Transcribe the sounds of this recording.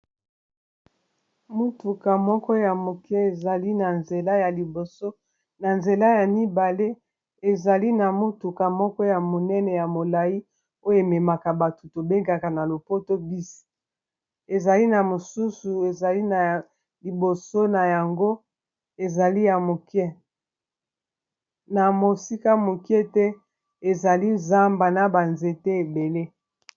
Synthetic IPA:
mu˦tu˨ka˨mɔ˦kɔ˦ja˨mo˨ke˦e˨za˨li˦na˨nze˨la˦ja˨li˨bo˨so˦ | na˨nze˨la˦ja˨mi˦ba˨le˦ | e˨za˨li˦na˨mu˦tu˨ka˨mɔ˦kɔ˦ja˨mo˨nɛ˦nɛ˨ja˨mo˨la˨ji˦ | o˦jo˨e˨mɛ˨ma˨ka˨ba˨tu˨to˨be˦ŋɡa˨ka˨na˨lo˨po˦to˦bi˦si̥˨ | e˨za˨li˦na˨mo˨su˦su˨e˨za˨li˦na˨ | li˨bo˨so˦na˨ja˨ŋɡo˦ | e˨za˨li˦ja˨mo˨kjɛ˦ | na˨mo˨si˦ka˦mo˨kjɛ˦tɛ˦ | e˨za˨li˦za˦mba˨na˨ba˨nze˨te˦e˨be˨le˦

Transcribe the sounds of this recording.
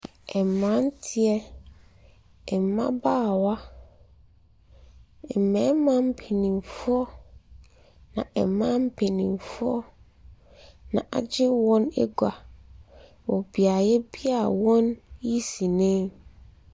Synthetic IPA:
ɛ˨m˨mã˦n˦tʰɪ˨˦ɛ˦ | ɛ˨m˨mã̰˦baː˦˨wa˦˨ | mɛ̃˨˦mã˦m̩˦pʰe˨nĩ˨mfʊ˦ɔ˦ | nã˨ɛ˨mã˦m̩˦pʰe˨nĩ˨mfʊ˦ɔ˦ | nã̰˨ʔa̰˨d͡ʑɪ˦wɔ̃˦nɛ̰˦ɡa˨ | wɔ˨bi˨a˨jɛ˦bi˦a˦˨wɔ̃˦nji˦si˨nẽ˦

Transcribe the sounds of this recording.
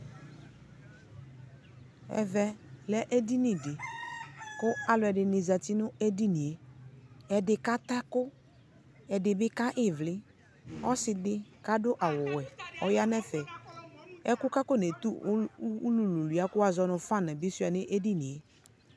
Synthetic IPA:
ɛ̰˨vɛ˦lɛ˦ʔe˦di˦nɪ˨dɪ˨ | kʊ˦a˨lʊ˨ɛ˨dɪ˨nɪ˨za˨tɪ˦nʊ˦e˦di˦ni˨e˨ | ɛ˨dɪ˨ka˦t̪a˦kʊ˦ | ɛ˨dɪ˨bɪ˦ka˦ʔɪ˦vlɪ˦ | ɔ˦sɪ˨dɪ˦ka˦dʊ˦ʔa˨wʊ˨wɛ˨ɔ˦ja˦nɛ˦fɛ˨ | ɛ˦kʊ˦ka˦kʊ˦ne˨t̪u˦lu˨lu˨lu˨a˦kʊ˦a˨zɔ˦nʊ˨fa˦nã˨bɪ˦sʊ˦a˨nɪ˦ʔe˦di˦ni˨e˦

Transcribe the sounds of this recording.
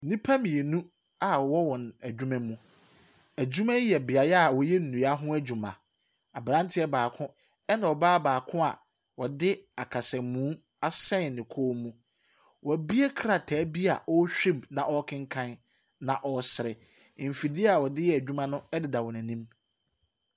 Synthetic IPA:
nĩ˦pʰa˦mĩ˨e˨nũ˦ | a˨wɔ˦wɔ̃˨næ˨d͡ʑᶣu˦mɛ̃˦mũ˦ | æ˨d͡ʑᶣu˦mæ̃˦jɛ˨bɪ˨a˨ja˨wɔ˨jɛ˦n̩˨nũ˨ja˦ɦʊ̃˦æ˦d͡ʑᶣu˨mã̰˨ | a˨bɾã˦n˦tʰɪ˦ɛ˦baː˨kʰʊ̃˦ | ɛ˦nã˨ɔ˨baː˦baː˨kʰʊ̃˦a̰˨ | wɔ˨dɪ˦a˨kʰa˨sɛ˨mũː˨˦ | a˦sɛ̃˦n˨nɪ̃˨kʰoː˦mũ˦ | wʔɔ˨bi˦e˦kʰɾa˨tʰæː˨˦bi˦a˨ʔɔ˦ɕᶣi˦˨bnã˨ʔɔ˦kʰɪ̃˦ŋ̩˦kʰã˦n | nã˨ʔɔ˨sɪ˨ɾɪ˨ | m̩˨fi˨di˦a˨wɔ˨dɪ˦jɛ˨æ˨d͡ʑᶣu˦mã˦nʊ̃˦ɛ˦dɪ˨da˨wɔ˨næ̃˨nĩ˦m

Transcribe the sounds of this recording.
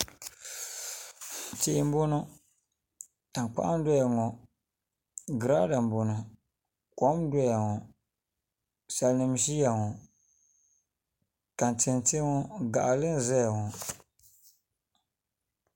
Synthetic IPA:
t͡ʃe˦˨˦m˦bʊ˦nɔ˦ | ta˨ŋk͡pa̰˦ʔa˦n˦dɔ˦ja˨ŋɔ˨ | ɡɨ˨ɾa˦da˨m˨bʊ˨nɔ˨ | kɔ˦mdɔ˦ja˨ŋɔ˨ | sa˨lnɨ˨m˦ʃi˦ja˨ŋɔ˨ | ka˨n˨tɪ˨nte˦ŋɔ˦ɡa˨ʔa˨lɨ˦n˦˨zɛ˦ja˨ŋɔ˨

